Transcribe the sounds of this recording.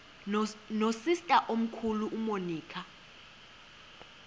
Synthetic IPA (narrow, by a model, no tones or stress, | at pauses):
nosistʼaʔom̩kʰuluʔumoniːkʰa